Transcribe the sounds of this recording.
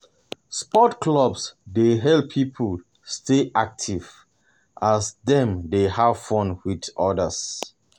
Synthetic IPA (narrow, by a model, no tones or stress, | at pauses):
spɔtkʰlɔbsdeɦɛlppʰːipʰəl | steʔak̚tʰiv | ʔasdɛ̃mdehav̥fɔ̃nwidɔdəs